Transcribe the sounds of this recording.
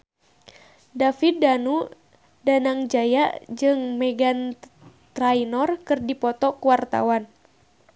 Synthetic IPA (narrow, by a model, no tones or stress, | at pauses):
dafit̪̚danu | danaŋd͡ʒajaʔd͡ʒɨŋmɛɡan | t̪ɾainɔrkɨrdipɔt̪ɔkuwart̪a̰wan